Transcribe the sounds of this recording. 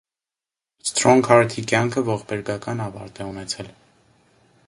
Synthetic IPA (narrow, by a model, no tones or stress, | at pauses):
st̪ɾɔŋkʰɑɾt̪ʰikjɑŋkʰəvɔχbɛɾɡɑkɑnɑvɑ̰ɾt̪ɛunɛt͡sʰɛl